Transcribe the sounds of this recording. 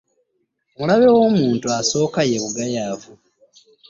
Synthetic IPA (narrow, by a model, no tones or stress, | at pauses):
mulaβe̞womuːntuaso̞ːkaje̞βuɡajaːvu